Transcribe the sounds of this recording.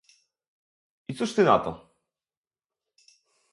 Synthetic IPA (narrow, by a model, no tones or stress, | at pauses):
it̪suʂt̪ɘna̰t̪ɔ̰